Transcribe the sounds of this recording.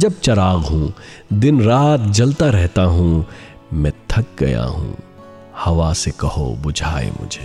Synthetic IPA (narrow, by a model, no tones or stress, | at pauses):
d͡ʒɐb̚t͡ʃɐɾaːɣɦũːd̪ɪnɾaːt̪d͡ʒɐlt̪aɾɛɦt̪aɦũː | mɛ̃t̪ʰɐk̚ɡɐ̰ja̰ɦṵ̃ː | hɐʋasekɐho̰bʊd͡ʒʱaːḛmʊ̰d͡ʒʱeː